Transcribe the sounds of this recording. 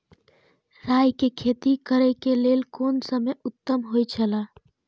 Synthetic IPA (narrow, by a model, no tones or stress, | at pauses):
ɾajkekʰet̪ikəɾɛkelelkoːnsəməjʊt̪ːəmɦojt͡ʃʰəla